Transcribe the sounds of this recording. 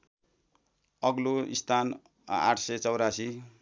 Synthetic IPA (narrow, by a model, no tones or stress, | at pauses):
ʌɡloist̪ʰan | a̰ʈʰsʌjt͡sʌwɾasi